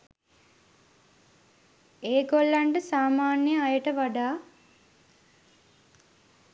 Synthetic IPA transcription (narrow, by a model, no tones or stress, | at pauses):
eːɡolːaɳɖəsaːmaːnjəajəʈəʋaɖaː